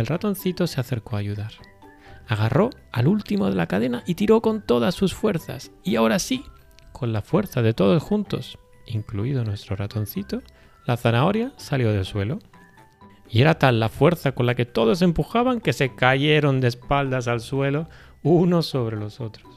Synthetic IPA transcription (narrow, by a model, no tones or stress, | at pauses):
elrat̪o̞n̟θit̪o̞se̞aθe̞ɾko̞aʝuðaɾ | aɣ̞aro̞alult̪imo̞ð̞e̞lakaðe̞naʔit̪iɾo̞ko̞nt̪o̞ðasːusfwe̞ɾθa̰siaoɾasi | kʰo̞nlafwe̞ɾθaðe̞t̪o̞ð̞o̞sxunt̪o̞̰s | iŋkluið̞onwe̞st̪ɾo̞rat̪o̞nθit̪o̞ | laθanao̞ɾjasaljo̞ð̞e̞lswe̞lo̞ | ie̞ɾat̪alːafwe̞ɾθako̞nlake̞t̪oðo̞se̞mpuxaβaŋke̞se̞kaʝe̞ɾo̞nd̪espald̪as̬alswe̞lo̞ | uno̞sːo̞β̞ɾe̞lo̞so̞t̪ɾos